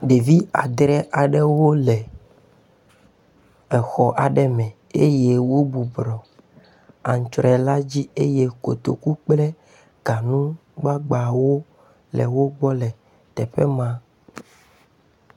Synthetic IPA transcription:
ɖe˨vi˦a̰˨d̪ɾɛ˦ʔa˨ɖɛ˦wo˦lɛ˨ | ɛ˨xɔ˨ʔa˨ɖɛ˦mɛ̃˨ | e˦je˦wo˦bu˨bɾɔ˨ | a˨ŋ˨t͡ʃɾɛ˨la˦d͡ʑi˦e˦je˦ko̰˨t̪o̰˨ku˦k͡plɛ˦ | ɡ̥a˨nũ˦ɡ͡ba˦ɡ͡ba˨wo˦ | lɛ̰˨wo˦ɡ͡bɔ˦lɛ˨ | t̪ɛ˨ɸɛ˦mã˦

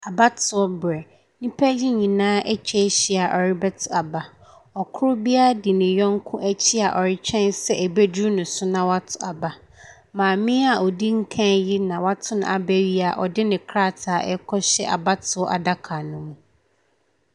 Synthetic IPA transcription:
a˨ba˦tʰʊ˨ɔ˦bɾɛ˨ | nĩ˦pʰæ˦ji˦ɲĩ˨nãː˦ʔɛ˦t͡ɕʰᶣɛ˦ɕi˨a˨ʔɔ˨ɾɪ˦bɛ˦tʰʊ˨a˨ba˨ | ɔ˨kʰʊ˦ɾʊ˦bi˦a˦a˦dɪ˨nɪ̃˨jɔ̃˦ŋ˦kʰʊ̃˦ʔæ˦t͡ɕʰi˦a˨ʔɔ˨ɾɪ˦t͡ɕᶣʰɛ̃˦nsɛ˦ʔæ˨bæ˦du˦nʊ̃˨sʊ˦nã˨wa˦tʰʊ˨a˨ba˨ | mãː˨mɪ̃˦a˨ʔɔ˨di˦ŋ̩˦kʰã˦nji˦nã˨wa˦tʰʊ˦nʊ̰̃˨a̰˨bɛ˦ɥi˦a˨ʔɔ˨dɪ˦nɪ̃˨kʰɾa˦˨tʰa˨ʔɛ˦kʰɔ˦ɕɛ̰˦ʔa̰˨ba˦tʰʊ˨˦ɔ˦ʔa̰˨da˦kʰa˨nʊ̃˦mũ˨

